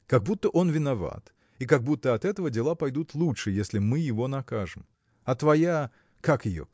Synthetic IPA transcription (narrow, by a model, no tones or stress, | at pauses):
kɐɡ̚but̪ːəʔo̞nvʲɪnɐva̰t̪ | ikɐɡ̚but̪ːəɐt̪ɛt̪əvədʲɪlˠapɐjd̪ut̪lˠutʂɨjesʲlʲɪmɨjɪvo̞nɐkaʐɨm | ɐt̪vɐja | kakjɪjo̰